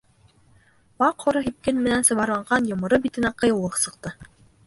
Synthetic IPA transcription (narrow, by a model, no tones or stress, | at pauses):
bɑqhŏɾɤɦip̚kɘnmɘ̆nænsɤ̆βɑɾlˠɑɴɢɑnjŏmɤ̆ɾɤbit̪ɘ̆næqɤ̆jɤ̆wlˠɤqsɤ̆q̚t̪ɤ